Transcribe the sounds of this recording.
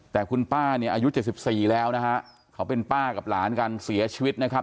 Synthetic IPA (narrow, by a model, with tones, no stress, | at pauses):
t̪ɛː˨˩kʰu˧npaː˥˩ni˥˩ɐʔaː˧ju˦˥t͡ɕe˨˩t̪̚si˨˩p̚siː˨˩lɛː˦˥wna˦˥kʰa˦˥ʔ | kʰa˦˥wpe˧npaː˥˩ka˨˩p̚laː˩˦nka˧nsi˩˦ɐt͡ɕʰi˧wi˦˥t̪̚na˦˥kʰa˦˥p̚